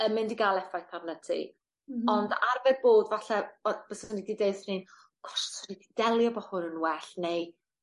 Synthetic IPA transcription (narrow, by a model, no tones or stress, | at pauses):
əmɪndiɡalˠɛfajpʰavnətʰḭ | ɔndarvɛd̚boːdvaɬɛɔb̥əsənidideɨθnin | kʰɔ̥ssənidid̥ɛlˠjɔbɔhʊnənwɛɬnej